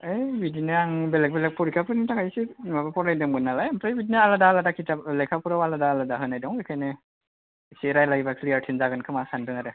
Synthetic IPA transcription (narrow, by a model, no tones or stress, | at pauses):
ejbidineaŋbɛlɛk̚bɛlɛk̚pɔɾikʰapʰɯnitakʰajsiabpɔɾajdɯmɡɯnːalajamtʰajbidinaaladaːladakʰitaplɛkʰapuɾawaladaːladaɦɯnajdɔŋekʰajne | seɾajlaɡibakʰliaɹtʰinzaɡɯnkʰɯmasandɯŋaɾɯ